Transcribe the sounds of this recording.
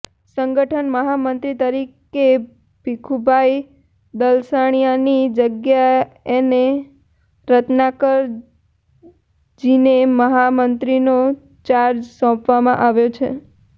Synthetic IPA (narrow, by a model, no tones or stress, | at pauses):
səŋɡəʈʰənməɦamənt̪ɾit̪əɾike | bikʰubʱai | d̪əlsaɽ̃ijanid͡ʒəɡja | ene | ɾət̪nakəɾ | d͡ʒineməɦamənt̪ɾino | t͡ʃaɾd͡ʒsɔ̃pʋamãʔaʋjot͡ʃʰḛ